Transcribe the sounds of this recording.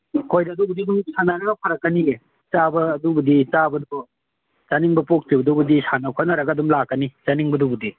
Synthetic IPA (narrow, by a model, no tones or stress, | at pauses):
kʰojdɐːdubudiduŋsanaɾɐɡɐpʰɐɾɐkːɐniɡe | t͡ʃabɐːdubɐdit͡ʃabɐdu | t͡ʃaniŋbɐpok̚tiwɐdubɐdisanɐpʰanɐɾɐɡɐdumlakːɐnit͡ʃaniŋbɐdubudi